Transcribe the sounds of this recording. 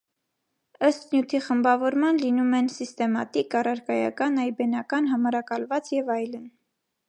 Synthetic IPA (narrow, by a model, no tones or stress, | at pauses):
əst̪njut̪ʰiχəmbɑvɔɾmɑnlinumɛnsist̪ɛmɑ̰t̪ikɑrɑɾkɑjɑ̰kɑnɑjbɛnɑkɑnɦɑmɑɾɑkɑlvɑt͡sjɛvɑjlən